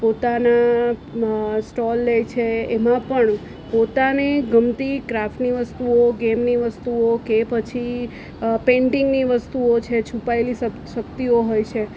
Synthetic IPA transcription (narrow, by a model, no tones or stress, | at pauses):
pot̪ana | sʈɔlːejt͡ʃʰeemãpəɳ | pot̪aneɡəmt̪ikɾafʈniʋəst̪uoɡemniʋəst̪uokepət͡ʃʰi | pẽɳʈɪŋɡniʋəst̪uot͡ʃʰet͡ʃʰupaelisə | ʃəkt̪ioɦojt͡ʃʰe